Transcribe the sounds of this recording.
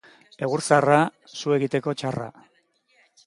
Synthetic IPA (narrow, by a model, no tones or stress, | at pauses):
e̞ɣ̞uɾsara | sue̞ɣit̪e̞ko̞t͡ʃara̰